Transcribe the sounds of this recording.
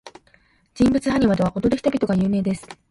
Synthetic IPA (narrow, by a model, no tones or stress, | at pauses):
d͡ʑĩmbɯ̟t͡sɨhaɲ̟iβad̪eβako̞t̪o̞d̪eçi̥t̪obʲit̪o̞ɡajɯ̟ːme̞ːd̪e̞sɨ̥